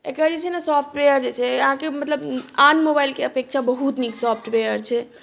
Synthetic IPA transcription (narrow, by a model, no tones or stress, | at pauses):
ekɾəɾd͡ʒet͡ʃʰɛnasɔpʰʈwejəɾd͡ʒet͡ʃʰɛəɦãkemət̪ləbanmobailkeəpek̚t͡ʃʰabəɦut̪niksɔpʰʈʋejəɾt͡ʃʰɛ